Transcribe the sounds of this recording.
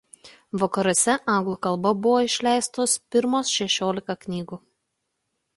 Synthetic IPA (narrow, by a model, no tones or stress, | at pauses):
ʋɐkɐɾoːsʲɛʔɐˑŋɡlˠuːkɐlˠbɐbʊʋoːɪʃʲlʲæˑɪst̪oːspʲɪɾmoːsʃʲɛʃʲoːlʲɪkɐknʲiːɡuː